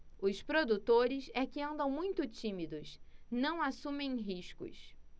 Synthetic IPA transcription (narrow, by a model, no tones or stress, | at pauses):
ʊspɾod̪ut̪oɾɪsɛkɪɐ̃nd̪ɐ̃w̃mũj̃t̪ʊt͡ʃĩmid̪ʊsnɐ̃w̃asũmẽj̃ɦiʃkʊ̰s